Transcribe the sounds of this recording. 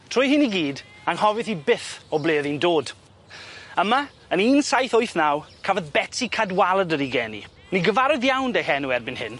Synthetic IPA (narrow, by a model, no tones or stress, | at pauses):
tʰr̥ʊjhɪniɡiːd | aŋhɔvɨθibɪθɔbleːðindoːd̥ | əma | əniːnsajθʊɨθnawkʰavɔðbɛtʰikʰadwalˠədəɾiɡɛːnḭ | niɡəvaɾʊðjawndehɛnuɛrbɪnhɪ̰n